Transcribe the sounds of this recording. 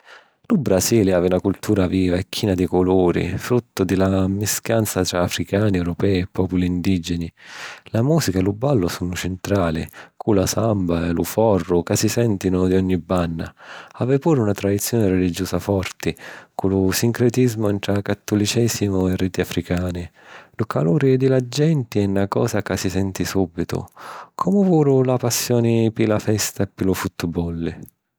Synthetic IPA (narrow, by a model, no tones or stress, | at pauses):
lubɾasiːliaːveunakult̪ʰuːɾaviːvaɛkʰːiːnad̪ikʊluːɾḭfɾut̪ːʊd̪ilamiskjant̪sat̪ɾaːfɾikaːniɛwɾɔpɛːɛpːɔːpuliːnd̪id͡ʒɛnilamuːsikaɛlubːalːʊsuːnʊt͡ʃɪnt̪ɾaːlɪ̰kʰulasambaɛlufɔrːʊkasisɛnt̪inʊd̪iɔɲːibanːa̰aːvɛpuːɾunat̪ɾad̪it̪sːjɔːnɪrɛlid͡ʒɔːsafɔrt̪ɪkulʊsiŋkɾɛt̪izmʊɛnt̪ɾakat̪ːulit͡ʃɛsimʊɛriːt̪iafɾikaːnɪlukʰaluːɾid̪ilad͡ʒːɛnt̪iɛnːakɔ̰ːsakasisɛnt̪isuːbːit̪ʊ̰kʰɔmʊvuːɾʊlapasːjɔːnipilafɛst̪aɛpːilufut̪ːbɔlːi